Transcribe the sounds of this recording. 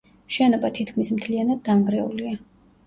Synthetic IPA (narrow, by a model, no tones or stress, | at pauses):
ʃɛnɔbat̪ʰit̪ʰkʰmismt̪ʰlianad̪ːamɡɾɛṵlia